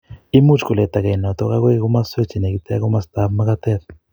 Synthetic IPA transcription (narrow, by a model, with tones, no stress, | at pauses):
i˦mu˦t͡ʃku˨le˨t̪a˨ke˨na˨t̪ɔ˦ka˦kwe˦kku˦ma˦swe˦t͡ʃi˨ne˨ki˦t̪ɛ˦a˦ku˦ma˦st̪a˦bma˦ka˦t̪ɛ˦t